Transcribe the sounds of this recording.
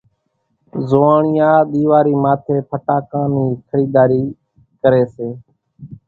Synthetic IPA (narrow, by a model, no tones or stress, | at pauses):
zoːaːɳɪjãːɗ̪iːʋaːɾiːmaːt̪ʰeːpʰəʈaːkãːniːkʰəɾiːd̪aːɾiː | kəɾeːseː